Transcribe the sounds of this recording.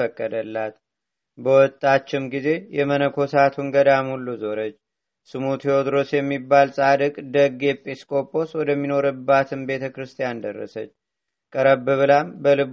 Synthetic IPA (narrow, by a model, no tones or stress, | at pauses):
əkʼːəd̪əlːat̪ | bəwɔt̪ʼːat͡ʃːɪmɡize̞jɛmənəkʰo̞sat̪ʰunɡəd̪amhulːuzo̞ɾət͡ʃː | sɨmut̪ʰeod̪ɾo̞sjɛmːibːalsʼad̪ɨkʼd̪əɡe̞pʼeskʼo̞pʼo̞swɔd̪əmːino̞ɾɨbːat̪ʰɨmbe̞t̪ʰəkɾɨst̪ʰijand̪ə̰rːə̰sət͡ʃː | kʼəɾəbɨβɨlambəlɨβ